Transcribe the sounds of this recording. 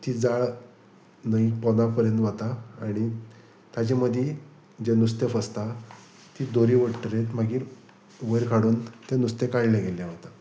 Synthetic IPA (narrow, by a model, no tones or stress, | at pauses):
t̪iːd͡zaɭ | nəipɔnapəɾjənt̪ʋat̪aːɽ̃i | t̪jat͡ɕaməd̪ʱje | d͡ʑenust̪efəst̪a | t̪iːd̪oɾiːʋəʈʈəɾet̪maɡiːɾ | ʋəɾkʰaɽuːnt̪enust̪ekaɽlãɡeljaʋat̪a